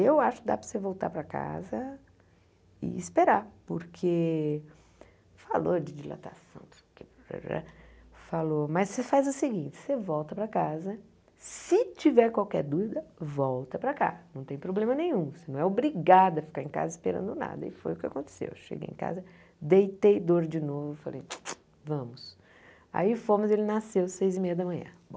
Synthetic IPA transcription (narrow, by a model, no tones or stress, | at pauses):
ewaʃʊ̥kɪd̪a̰pɾɐsevowt̪a̰ɾpɾɐka̰zɐ | ɪ̰ɪspeɾaɾpʊɾkʰe | falod͡ʒɪd͡ʒila̰t̪asɐ̰̃w̃p | kep | falomɐsefazʊsɪɡĩnt͡ʃɪ̥sevɔwt̪ɐpɾɐkazɐ | sɪt͡ʃivɛɾkwawkɛɾd̪uvid̪ɐvɔwt̪ɐpɾɐka̰nɐ̃w̃t̪ẽj̃pɾoblẽmɐnẽɲ̃ũsɪnɐ̃w̃ɛobɾiɡad̪ɐfi̥kaɾẽka̰zɐispeɾɐ̰̃nd̪ʊna̰d̪ɐ̰ɪfo̰jʊkɪakõnt̪e̥sḛwʃḛɡḛjḛ̃ka̰zɐ | d̪ejt̪ejd̪oɾd͡ʒɪnovʊfalḛj | vɐ̃mʊs | a̰ifõmʊzelɪnasewsejzɪmejɐd̪ɐmɐ̃ɲ̃ɐ̰̃bõ